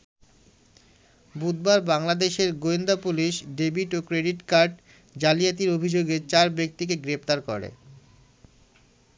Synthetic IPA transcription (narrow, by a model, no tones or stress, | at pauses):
bud̪̚baɾbaŋlad̪eʃeɾɡoind̪apuliʃɖebiʈokɾeɖiʈkaɾɖ | d͡ʑalijat̪iɾobʱid͡ʑoɡet͡ɕaɾbek̚t̪ik̬eɡɾept̪aɾko̰ɾḛ